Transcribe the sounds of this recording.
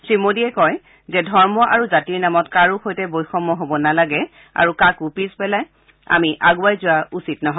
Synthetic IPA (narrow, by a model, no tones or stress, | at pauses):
tɹimodiɛkɔj | zɛdʱɔɹmɔʔaɹuzatiɹnamɔtkaɹuxojtɛbojxɔmːɔɦobɔnalaɡɛ | a̰ɹukakupizpɛlaj | a̰miʔaɡʊajzʊwaʔusitnɔɦɔ